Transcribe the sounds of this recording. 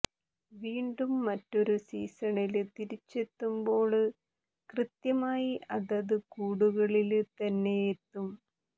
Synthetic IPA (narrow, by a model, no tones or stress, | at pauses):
ʋiːɳɖumːɐtːo̞ɾusḭːsɐɳilɨt̪iɾit͡ɕːe̞t̪ːumbo̞ːɭ | krɨt̪jɐmaːjiʔɐðɐðɨkuːɽuɣɐɭilt̪ɐnːe̞jet̪ːum